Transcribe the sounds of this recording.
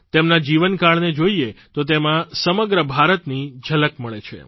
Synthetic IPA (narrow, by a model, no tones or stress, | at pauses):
t̪emnad͡ʒiʋənkaɭned͡ʒoiet̪ot̪emãsəməɡɾəbʱaɾət̪nid͡ʒʱələkməɭet͡ʃʰḛ